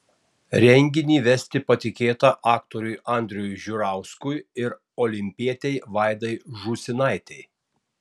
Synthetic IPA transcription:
ɾʲɛŋʲɡʲɪnʲiːʋʲɛsʲt̪ʲɪpɐt̪ʲɪkʲeːt̪ɐʔɑːkt̪ɔɾʲʊjʔɑˑnʲd̪ʲɾʲʊjʒʲʊɾɑˑʊskʊjɪɾ | ɔːlʲɪmʲpʲiɛt̪ʲɛɪʋɑˑɪd̪ɐɪʒusʲɪnɑˑɪt̪ʲɛɪ

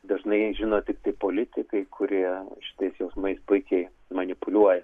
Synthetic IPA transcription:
d̪ɐʒnɐɪʒʲɪnoːt̪ʲɪkt̪ɐɪpoːlʲɪt̪ʲɪkɐɪkʰʊɾʲiɛʃʲɪ̥t̪ɐɪsjoːsmɐɪspʊɪkʲɛɪ | mɐnʲɪpʊlʲuɔjɛ

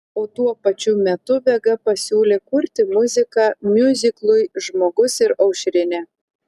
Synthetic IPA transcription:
oːt̪uɔpɐt͡ʃʲumʲɛt̪ʊbʲɛɡɐpɐsʲuːlʲeːkʊɾʲt̪ʲɪmʊzʲɪkɑːmʲjʊzʲɪklˠʊɪʒmoːɡʊsɪɾɐʊʃʲɾʲɪnʲɛː

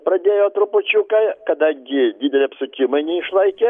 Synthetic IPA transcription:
pɾɐd̪ʲeːjoːt̪ɾʊpʊt͡ʃʲukɐkɐd̪ɐŋʲɡʲɪd̪ʲiːd̪ʲɛlʲɪɐpsʊkʲɪmɐɪnʲɛɪʃlˠɐɪkʲɛ

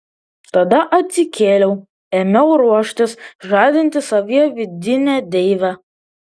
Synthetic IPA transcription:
t̪ɐd̪ɐʔɐt̪ʲsʲɪkʲʰeːlʲɛʊ | emʲɛʊɾuɔʃʲt̪ʲɪsʒɑːd̪ʲɪnʲt̪ʲɪsɐʋʲiɛʋʲɪd̪ʲɪnʲæːd̪ʲɛɪʋʲæ

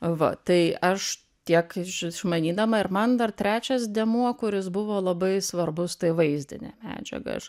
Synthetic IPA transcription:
ʋɐ̰t̪ɐɪɐʃ | t̪ʲiɛkɪʃɪʃmɐnʲiːd̪ɐmɐɪɾmɐnd̪ɐrt̪ʲɾʲæːt͡ʃʲɛsd̪ʲɛmuɔkʊɾʲɪs̬bʊʋoːlˠɐbɐɪsʋɐrbʊst̪ɐɪʋɐɪzʲd̪ʲɪ̰nʲɛ̰ːmʲæ̰ːd͡ʒʲɛ̰ɡɐ̰ʃ

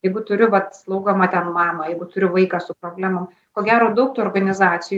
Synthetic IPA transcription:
jɛɪɡʊt̪ʊɾʲʊʋɐt̪slˠɒʊɡomɐːt̪ʲɛnmɑːmɐjɛɪɡʊt̪ʊɾʲʊʋɐɪkɑːsʊpɾoːbʲlʲæːmɐm | koːɡʲæːɾoːd̪ɐʊk̚t̪uɔrɡɐnʲɪzɑːtt͡s̪ʲɪj

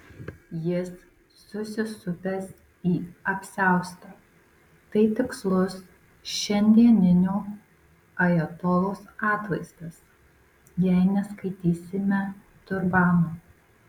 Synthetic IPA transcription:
jɪsː | ʊsʲɪsʊpʲɛs | iːɐpʲsʲæˑʊst̪ɐ | t̪ɐɪt̪ʲɪkslˠʊs | ʃʲɛnʲd̪ʲiɛnʲɪnʲuː | ɐjɛt̪oːlˠoːsɑːt̪ʋɐɪst̪ɐs | jɛɪnʲɛskɐɪt̪ʲiːsʲɪmʲɛ | t̪ʊɾbɑːnoː

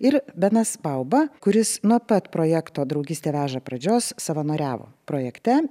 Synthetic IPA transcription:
ɪɾbʲɛnɐsbɐʊbɐkʊɾʲɪsnuɔpɐt̪pɾoːjɛkt̪oːd̪ɾɒʊɡʲiːst̪ʲeːʋʲæːʒɐpɾɐd͡ʒʲoːssɐʋɐnoːɾʲæːʋo̰ːpɾoːjɛkt̪ʲɛ

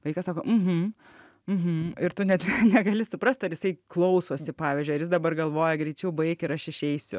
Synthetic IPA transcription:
ʋɐɪkɐsɑːkoːm̩ɦm̩ | m̩ɦm̩ɪɾt̪ʊnʲɛt̪nʲɛɡɐlʲɪsʊpɾɐsʲt̪ɐɾjɪsɐɪklˠɐʊsoːsʲɪpɑːʋʲiːzʲd͡ʒʲʊjɪɾjɪs̬d̪ɐbɐrɡɐlˠʋoːjɛɡɾʲɛɪt͡ʃʲɛʊbɐɪkɪɾɐʃɪʃʲɛɪsʲʊ

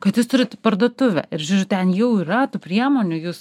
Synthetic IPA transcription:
kɐt̪juːst̪ʊɾʲɪt̪pɐɾd̪oːt̪ʊʋʲɛ̰ɪɾʒʲuːɾʲʊttʲɛnjɛʊiːɾɐt̪uːpʲɾʲiɛmoːnʲʊjuːs

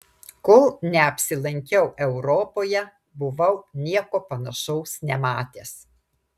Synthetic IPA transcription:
kʊlˠnʲɛɐpʲsʲɪlˠɐŋʲkʲɛʊʔɛʊɾɔːpoːjɛ | bʊʋɐʊnʲiɛkoːpɐnɐʃɐʊsnʲɛmɑːt̪ʲes

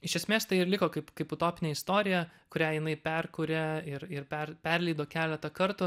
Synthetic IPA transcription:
ɪʃʲɛsʲmʲeːst̪ɐɪɪrlʲɪkoːkɐɪpkɐɪpʊt̪oːpʲɪnʲeːɪst̪oːɾʲɪjɛkʊɾʲæːjɪnɐɪpʲɛrkʊɾʲɛɪɾɪrpʲɛrpʲɛrlʲɛɪd̪oːkʲæːlʲɛt̪ɐkɐɾt̪ʊ

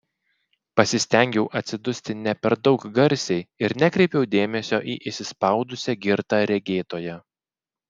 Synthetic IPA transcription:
pɐsʲɪsʲt̪ʲɛŋʲɡʲɛʊʔɐt̪ʲsʲɪd̪ʊsʲt̪ʲɪnʲɛpʲɛɾd̪ɒʊkɡɐɾʲˑsʲɛɪɪɾnʲɛkɾʲɛɪpʲɛʊd̪ʲeːmʲɛsʲoːʔiːʔɪʃsʲɪspɑˑʊd̪ʊsʲɛɡʲɪɾt̪ɑɾʲɛɡʲeːt̪oːjɛ

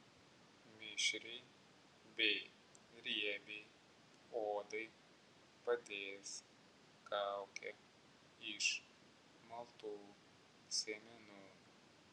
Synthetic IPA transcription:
mʲɪʃʲɾʲɛɪ | bʲɛɪ | ɾʲiɛbʲe | oːd̪ɐɪ | pɐd̪ʲeːs | kaʊkʲɛ | ɪʃ | mɐlˠt̪uː | sʲɛmʲɛnuː

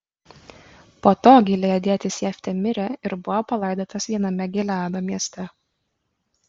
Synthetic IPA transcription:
poːt̪oːɡʲɪlʲejɛd̪ʲeɛt̪ʲɪsʲjɛfʲt̪ʲɛmʲɪɾʲɛɪɾbʊʋopɐlˠɐɪd̪ʲoːt̪ɐsʋʲiɛnɐmʲɛɡʲɪlʲæːd̪oːmʲiɛsʲt̪ʲɛ

